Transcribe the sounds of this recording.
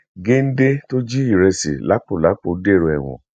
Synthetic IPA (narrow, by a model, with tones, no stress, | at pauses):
ɡe˦n̩˦de˦to˦d͡ʒi˦i˦˨ɾɛ˧sḭ˨la˨˦k͡po˦˨la˨˦k͡po˧˨˦de˦˨ɾo˧ɛ̰˨w̃ɔ̰̃˨